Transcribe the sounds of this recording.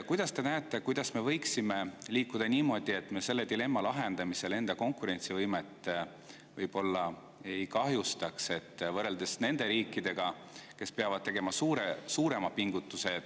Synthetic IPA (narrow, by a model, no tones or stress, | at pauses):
kujd̪̥ɑst̪e̞næːt̪ːˑe̞kujd̪̥ɑsme̞vɤjksime̞liːkːˑud̪̥ɑniːmo̞ːd̪̥ie̞t̪ːˑme̞se̞lːe̞d̪ile̞mːɑlɑɦe̞nd̪̥ɑmise̞le̞nd̪̥ɑko̞ŋkˑuɾe̞nʲt̪sivɤjmet̪ːˑ | vɤjb̥o̞lːɑ | e̞jkɑɦjust̪ɑkse̞t̪ːvɤre̞ld̪̥e̞sne̞nd̪̥e̞ɾiːkːˑid̪e̞ɡ̥ɑ | ke̞speɑvɑd̪̚t̪eɡ̥e̞mɑsuːɾesuːɾe̞mɑpiŋɡut̪ːˑuse̞